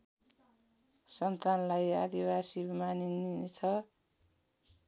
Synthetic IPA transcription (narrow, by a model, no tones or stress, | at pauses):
sʌnt̪anlajad̪ibasimaninnit͡sʰʌ